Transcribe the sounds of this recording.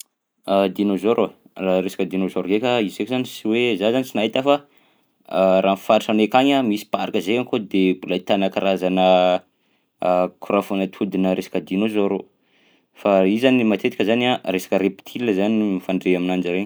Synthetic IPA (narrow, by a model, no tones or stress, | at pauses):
ad̪inozoɾo | aɾesḁkʲəd̪inozoɾoɡekʲəizekʲizanisiwezazanisinaɦit̪afa | ɾʔaːnfaɾiʈ͡ʂanekaɲamisi̥paɾakəzeaŋkod̪ebulait̪anakaɾazanə | kuɾafonət̪ʰud̪inəɾesḁkəd̪inozoɾo | faizanimat̪et̪ikʲəzanaɾesḁkəɾepi̥t̪ʰiləzanimifaɳɖ͡ʐeaminand͡ʒəɾeɲ